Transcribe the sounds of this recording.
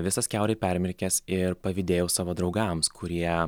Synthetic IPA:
ʋʲɪsɐskʲæʊɾʲɛɪpʲɛɾʲmʲɪɾʲkʲɛsɪɾpɐʋʲɪd̪ʲeːjɛʊsɑːʋoːd̪ɾɒʊɡɐmskʰʊɾʲiɛ

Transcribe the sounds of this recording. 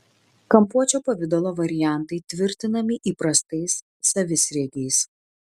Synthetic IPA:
kɐmpuɔt͡ʃʲoːpɐʋʲɪd̪ɔlˠoːʋɐɾʲɪjæˑnˑt̪ɐɪt̪ʲʋʲɪɾʲt̪ʲɪnɐmʲɪʔiːpɾɐst̪ɐɪsː | ɐʋʲɪsɾʲɛɡʲɛɪs

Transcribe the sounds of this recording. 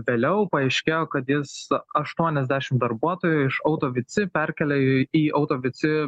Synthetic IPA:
ʋʲeːlʲɛʊpɐɛɪʃʲkʲeːjoːkɐt̪jɪsɐʃt̪uɔnʲɛzʲd̪ʲæːʃʲɪmd̪ɐɾbuɔt̪oːjuɪʃɐʊt̪oːʋʲɪt͡s̪ʲɪpʲæɾʲkʲɛlʲɛiːɐʊt̪oːʋʲɪt͡s̪ʲɪ

